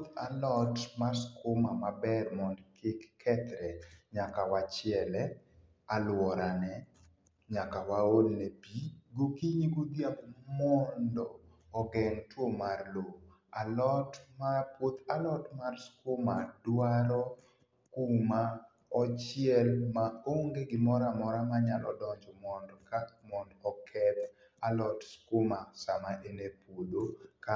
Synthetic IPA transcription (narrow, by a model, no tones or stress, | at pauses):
t̪alɔtmarskomamabɛrmɔnkɪkːʰɛt̪ɾɛɲakawat͡ʃɪɛlɛ | alwɔɾanɛ | ɲakawaolnepiɡokiɲiɡod̪jaɡmɔndɔː | ɡɛŋtwomarlo | alɔtmapwot̪ʰalɔtmarskoma̰dwaɾɔ | kuma | ɔt͡ʃɪɛlmaoŋɡeɡɪmɔɾamɔɾamaɲalʔɔ̰dɔɲd͡ʒɔmɔndɔkamɔndɔkʰɛt̪ | alɔtskomasamaʔenepodoka